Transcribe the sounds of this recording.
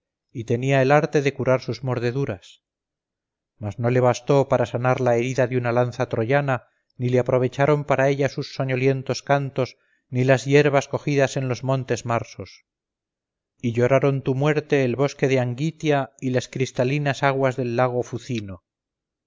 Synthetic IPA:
it̪e̞niaelaɾt̪e̞ðe̞kuɾaɾsuzmo̞ɾðe̞ðuɾas | mazno̞le̞β̞ast̪o̞paɾasanaɾlae̞ɾiðaðeunalanθat̪ɾo̞ʝana | nileapɾo̞β̞e̞t͡ʃaɾo̞mpaɾae̞ʎasusːoɲo̞lje̞nt̪o̞skant̪o̞z | nilazje̞ɾβ̞asko̞xiðase̞nlo̞zmõ̞nt̪e̞zmaɾso̞s | iʎo̞ɾaɾo̞nt̪umwe̞ɾt̪e̞ːlβo̞ske̞ðeaŋɡit̪jailaskɾist̪alinasaɣwazðe̞lːaɣ̞o̞fuθino̞

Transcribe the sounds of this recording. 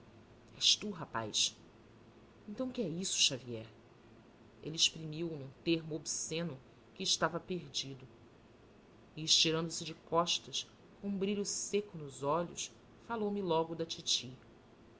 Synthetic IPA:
ɛʃt̪uɦapa̰js | ẽnt̪ɐ̃w̃kɪɛisʊ̥ʃaviɛɾ | ḛlɪɪʃpɾimiwnũt̪eɦmʊobsẽnʊ | kɪːʃt̪avɐpeɾd͡ʒid̪ʊ | ieʃt͡ʃiɾɐ̃nd̪ʊsɪd͡ʒɪkɔʃt̪ɐʃ | kõũbɾiʎʊsekʊnʊzɔʎʊ̰ʃ | falowmɪlɔɡʊd̪ɐt͡ʃit͡ʃi

